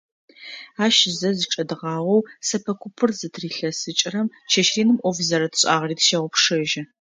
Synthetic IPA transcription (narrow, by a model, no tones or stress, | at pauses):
aːʃzɐzɨʈ͡ʂʼɐdɨʁɑːʁʷɔwsɐpʰɐkʷʰʊpʰɨrzɨtʰriːɬɐsɨt͡ʃʼɪrɐm | ʃʰɐʃriːnɨmʔʷɔvzɐɾɐtʰɕʼa̰ːʁɐriːtʰʃɐʁʷʊpʰʂɐʒɪ